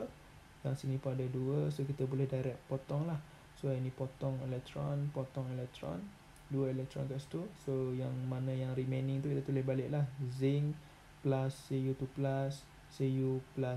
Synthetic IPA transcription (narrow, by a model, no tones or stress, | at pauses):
jaŋsinĩpadəduəsokit̪abulɛhdajɾɛk̚pot̪ɔŋlah | soainĩpɔt̪ɔŋɛlɛk̚t̪ɾɔnpɔt̪ɔŋɛlɛk̚t̪ɾɔ̰n | duəelɛk̚t̪ɾɔ̰nkaʔst̪usojaŋmanə̃jaŋɾimẽnɪ̃ŋt̪ukit̪at̪ulɛhbalɪʔlahzɪŋ | plasːejut̪uplasː | ejupla